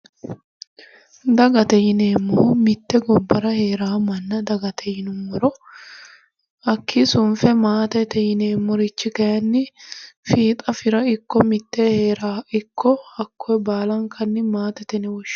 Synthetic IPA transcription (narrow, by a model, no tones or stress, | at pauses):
d̪ɐɡɐt̪ɛjɪneːmːomɪt̪ːɛɡɔbːɐɾɐheːɾaːmɐnːɐd̪ɐɡɐt̪ʰɛjɪnʊmːɔɾɔ | ɐkʰːɪsʊnfɛmaːt̪ɛt̪ɛjɪneːmːʊɾɪt͡ʃːɪkɐjɐnːɪfiːt̪ʼɐfɪɾɐɪkːɔmɪt̪ːeheːɾaːɪkʰːɔɐkːoɛbaːlɐŋkʰɐnːɪmaːt̪ɛt̪ɛnɛwɔʃ